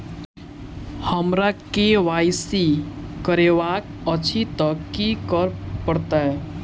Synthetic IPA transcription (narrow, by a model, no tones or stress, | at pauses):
həmɾakeʋajsikəɾeʋak̚ət͡ʃʰit̪əkːikəɾpəɾt̪aɛ